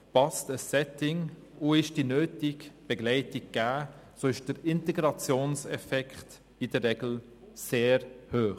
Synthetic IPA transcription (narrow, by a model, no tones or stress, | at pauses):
pɑstəsːɛtɪŋ | ʊɪʃd̥inøːtɪɡb̥ɛɡlɛɪtɪɡ̚ɡ̥æː | soːɪʃd̥əɾɪntɛɡɾɑt͡sjoːnsɛfɛkχt | idərːɛɡl̩ | seːɾhøːχ